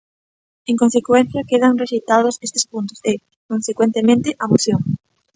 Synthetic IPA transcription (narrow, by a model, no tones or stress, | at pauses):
eŋkonsekwɛn̟θjɐkeðɐŋreʃit̪aðʊsest̪e̥spunt̪ʊ̥se | konsekwent̪emẽnt̪ɪʔamoθjoŋ